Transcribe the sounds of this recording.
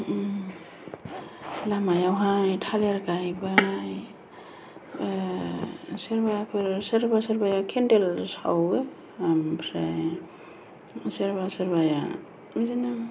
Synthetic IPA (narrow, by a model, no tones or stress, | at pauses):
lamajawɦajtʰaleɾkajbaj | seɾbajapʰɯɾsɯɾbasəɾbajakʰendelsa̰we | ampʰɾe | seɾbasɯɾbaja̰ | mizina